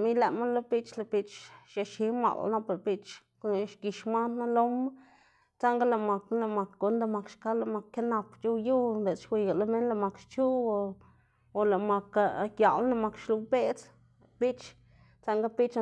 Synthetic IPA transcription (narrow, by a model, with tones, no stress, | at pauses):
mi˦jla˨ma˦nla˦pi˦t͡ʃla˨pi˦t͡ʃʃa˧ʃi˧˦ma̰˨l̰na˦pa˨ɾpi˦t͡ʃ | ʃki˨ʃma˦nːa˦lo˦ma˦ | t͡sa˦ŋɡa˦la˧˨ma˨kla˧˨ma˨kɡo˨˦nd̪a˧ma˨kʃka˦la˧˨ma˨kːa˦na˧pt͡ʃu˦wju˦be˨t͡sʃwʷi˨ɡa˨la˦me˦nla˧ma˨kt͡ʃu˦o˨ | o˨la˨ma˨ka˧kja˨lna˧ma˨˧kʃlu˧pe˦t͡s | pi˦t͡ʃ | t͡sa˦ŋɡa˦pi˦t͡ʃ